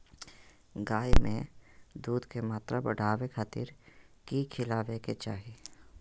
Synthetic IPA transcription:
ɡaːimẽd̪uːd̪kemaːt̪ɾabɐ̰ɽ̤aːʋekʰaːt̪ḭɾkikʰɪlaːʋeket͡ʃaːɦi

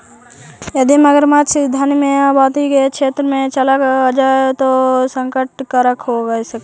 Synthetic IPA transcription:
jəd̪iməɡəɾmat͡ʃʰd̪ʱənmẽabaːt̪ikekʃʰeːt̪ɾəmẽt͡ʃəlakːd͡ʒaet̪osə̃ŋkəʈ̚kaɾəkʰɦoɡəesəkː

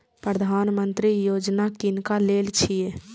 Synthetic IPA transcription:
pɾəd̪ʱanmənt̪ɾijod͡ʒnakinkalelt͡ʃʰije

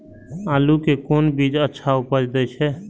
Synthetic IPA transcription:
alukekonbid͡ʒətːʃʰaupəd͡ʒd̪ɛt͡ʃʰɛ

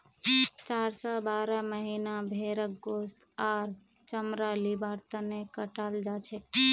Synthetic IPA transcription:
t͡ʃaːɾsɔbaːɾəməɦinabʱeɾək̚ɡost̪aːɾ | t͡ʃəmɾalibaɾt̪ənekəʈald͡ʒat͡ʃʰɛ

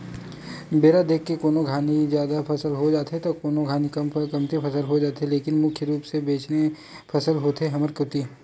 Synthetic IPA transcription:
beːɾad̪eːkʰːekoːnoɡʱaːnizjaːd̪apʰɐsəlɦod͡ʒaːt̪ɦet̪okoːnoɡʱaːnikkɐmt̪epʰɐsəlɦod͡ʒaːt̪eleːkɪnmʊkʰjəɾuːpsebeːt͡ʃne | pʰɐsəlɦoːt̪eɦɐməɾkʊt̪iː

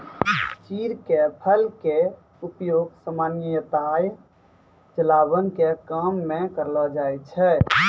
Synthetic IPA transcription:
t͡ʃiɾkepʰəlke | upjoɡsəmaːnjət̪aj | t͡ʃəlabənkekamːẽkəɾlɔd͡ʒaet͡ʃʰɛ

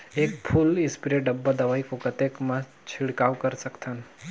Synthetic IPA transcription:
ek̚pʰulɪ̃spiɾeʈɖəbːad̪əʋaikokət̪ekmã | t͡ʃʰiɭkaʋkəɾsəkt̪ʰan

